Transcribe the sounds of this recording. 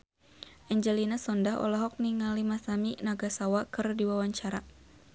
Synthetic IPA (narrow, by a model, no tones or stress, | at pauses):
ʔɛɲd͡ʒɛlinasɔndaɦɔ̰laɦɔk̚niŋalimasaminaɡasawakɨrdiwawaɲt͡ʃaɾa